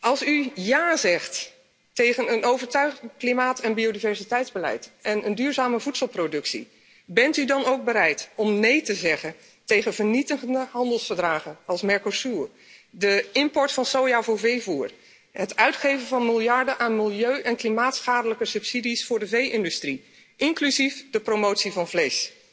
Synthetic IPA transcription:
ʔɑlˠsyjaːzɛχt | tejχənənowvəɹtœɥχənklimaːtɛnbiodivɛɹzitɛjtzbəlɛ̰jtɛnəndyːɹzaːməvutsəlˠprodɵksḭ | bɛntydɑnowɡ̚bəɾɛjtɔmnejtəzɛχən | tejχənvəɹnitəχəndəɦɑndəlˠsfəɹdraːχənɑlˠsmɛɹkosuɹ | dəɪmpɔɹtfɑnsowjavʊːɹvejvuːɹ | ɦətœɥtχejvənvɑnmɪlˠjɑɹdəʔaːnmɪlˠjøɥʔɛnklimaːtsχaːdələkəsɵpsidisfʊːɹdəvejʔɪndystri | ʔɪŋklyzifdəprowmowtsivɑnvlejs

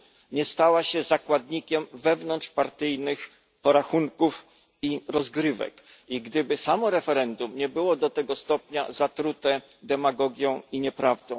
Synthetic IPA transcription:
ɲɛst̪awaɕɛzakwad̪ɲikʲɛmvɛvnɔntʂpaɾt̪ɘjnɘx | pɔɾaxuŋkuf | iɾɔzɡɾɘvɛ̰k | iɡd̪ɘbɘsamɔɾɛfɛɾɛnd̪umɲɛbɘwɔd̪ɔt̪ɛɡɔst̪ɔpɲa̰zat̪ɾut̪ɛ | d̪ɛmaɡɔɡʲjɔ̃w̃iɲɛpɾavd̪ɔ̃w̃

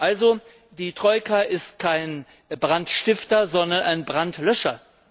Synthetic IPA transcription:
ʔalzo | diːtʁ̥ɔʏkʰaʔɪstkʰaɪn | bʁantʃtɪftɐzɔndɐnʔaɪnbʁantlœʃɐ

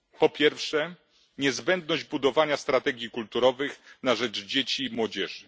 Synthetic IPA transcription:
pɔpʲjɛɾfʂɛ | ɲɛzbɛnd̪nɔʑd͡ʑbud̪ɔvaɲast̪ɾat̪ɛɡʲjikult̪uɾɔvɘxnaʐɛd͡ʐd͡ʑet͡ɕimwɔd͡ʑɛʐɘ

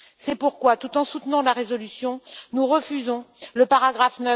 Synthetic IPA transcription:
sɛpuʁkwat̪ut̪ɑ̃sut̪nɑ̃laʁezɔlysjɔ̃nuʁəfyzɔ̃ləpaʁaɡʁafnə

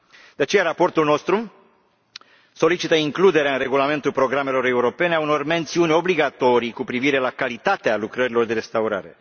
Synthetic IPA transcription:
d̪̥eat͡ʃe̞jaɾapo̞rt̪ulno̞st̪ɾu | so̞lit͡ʃit̪əiŋklud̪e̞ɾeaɨnre̞ɡulame̞nt̪ulpɾo̞ɡɾame̞lo̞ɾe̞uɾo̞pe̞ne̞auno̞rme̞nt̪siunʲo̞bliɡat̪o̞ɾijkupɾiviɾe̞lakalit̪at̪ealukɾəɾilo̞rd̪e̞ɾe̞st̪auɾa̰ɾe̞̰

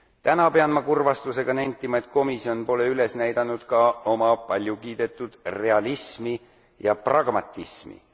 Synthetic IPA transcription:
t̪ænɑpe̞ɑnmɑkurvɑst̪use̞ɡ̥ɑnænʲt̪ˑːimɑe̞t̪̚ko̞misio̞npo̞le̞yle̞snæjd̪̥ɑnːud̪̥kɑo̞mɑpɑlʲjukiːd̪̥e̞t̪ːˑud̪̥re̞ɑlismi | jɑprɑɡ̥mɑt̪ːˑismḭ

